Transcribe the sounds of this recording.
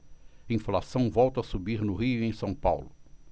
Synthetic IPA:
ĩflasɐ̃w̃vɔwt̪ɐsubiɾnʊɦiʊẽj̃sɐ̃w̃pawlʊ

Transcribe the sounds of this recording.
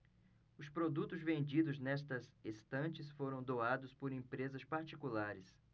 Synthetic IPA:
ʊspɾod̪ut̪ʊzvẽnd͡ʒid̪ʊznɛst̪ɐzest̪ɐ̃t͡ʃɪsfoɾɐ̃w̃d̪oad̪ʊspoɾẽpɾezɐspaɾt͡ʃikulaɾɪs

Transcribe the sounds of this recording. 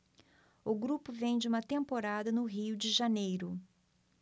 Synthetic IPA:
ʊɡɾupʊvẽj̃d͡ʒɪũmɐt̪ẽmpoɾad̪ɐnʊɦiwd͡ʒɪʒanejɾʊ

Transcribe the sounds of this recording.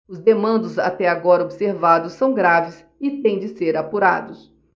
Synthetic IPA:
ʊzd̪emɐ̃nd̪ʊza̰t̪ɛaɡɔɾɐobseɾvad̪ʊsːɐ̃w̃ɡɾavɪs | ɪt̪ẽj̃d͡ʒɪseɾapuɾa̰d̪ʊs

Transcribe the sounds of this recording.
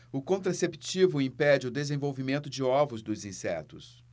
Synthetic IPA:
ʊkõnt̪ɾasepit͡ʃivʊĩpɛd͡ʒɪʊd̪ezẽvowvimẽnt̪ʊd͡ʒɪɔvʊzd̪ʊzĩsɛ̰t̪ʊs

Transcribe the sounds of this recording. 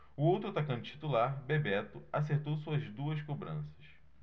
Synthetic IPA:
ʊowt̪ɾʊt̪akɐ̃nd̪ʊt͡ʃi̥t̪ulaɾbebɛt̪ʊaseɾt̪owsuɐzd̪uɐskobɾɐ̃sɐ̥s

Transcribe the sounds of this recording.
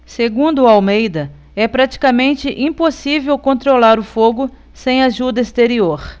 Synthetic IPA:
seɡũd̪ʊawmejd̪ɐ | ɛpɾat͡ʃi̥kamẽnt͡ʃɪʔĩposivewkõnt̪ɾolaɾʊfoɡʊ | sẽj̃aʒud̪ɐist̪eɾioɾ

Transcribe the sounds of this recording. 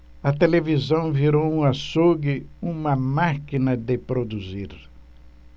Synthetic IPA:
ɐt̪elevizɐ̃w̃viɾowũasuɡɪũmɐmakinɐd̪ɪpɾod̪uziɾ

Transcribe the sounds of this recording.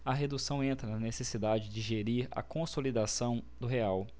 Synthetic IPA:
ɐɦed̪usɐ̃w̃ẽnt̪ɾɐnɐnesesid̪ad͡ʒɪzd͡ʒɪʒeɾiɾɐ̰kõsolid̪asɐ̃w̃d̪ʊɦeaw

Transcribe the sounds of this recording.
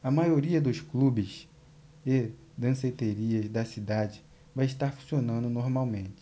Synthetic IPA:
ɐmajoɾiɐd̪ʊsklubɪs | e | d̪ɐ̃set̪eɾiɐzd̪ɐsid̪ad͡ʒɪ | vajɪʃt̪aɾfũsionɐ̃nd̪ʊnoɾmawmẽnt͡ʃɪ̥

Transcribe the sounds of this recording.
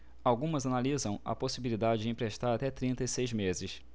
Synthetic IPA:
awɡũmɐzanalizɐ̃w̃ɐ̰posibilid̪ad͡ʒɪd͡ʒɪĩpɾeʃt̪aɾat̪ɛt̪ɾĩnt̪ɐisejzmezɪs

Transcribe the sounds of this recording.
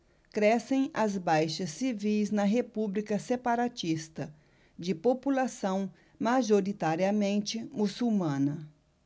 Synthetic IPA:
kɾɛsẽj̃ɐzbajʃɐsːivijznɐɦepublikɐsepaɾat͡ʃist̪ɐ | d͡ʒɪpopulasɐ̃w̃ | maʒoɾit̪aɾiɐmẽnt͡ʃɪmusuwmɐ̃nɐ

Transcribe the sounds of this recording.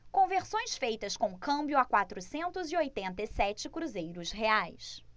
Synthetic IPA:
kõveɾsõj̃sfejt̪ɐskõkɐ̃mbjʊakwat̪ɾʊsẽnt̪ʊziojt̪ẽnt̪ɐisɛt͡ʃɪkɾuzejɾʊsɦeajs

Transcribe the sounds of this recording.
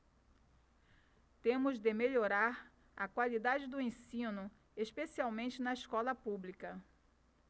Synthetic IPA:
t̪ẽmʊzd̪ɪmeʎoɾaɾ | ɐ̰kwalid̪ad͡ʒɪd̪ʊẽsĩnʊ | espesiawmẽnt͡ʃɪnɐiskɔlɐpublikɐ

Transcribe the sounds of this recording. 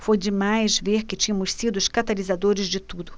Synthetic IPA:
fojd͡ʒɪmajzveɾkɪt͡ʃĩɲɐmʊssid̪ʊʃkat̪alizad̪oɾɪzd͡ʒɪt̪ud̪ʊ

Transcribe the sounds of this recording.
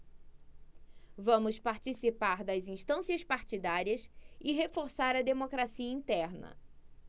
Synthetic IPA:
vɐ̃mʊspaɾt͡ʃisipaɾd̪ɐzĩʃt̪ɐ̃siɐspaɾt͡ʃid̪aɾiɐsɪɦefoɾsaɾɐd̪emokɾasiɐĩt̪ɛɾnɐ̰

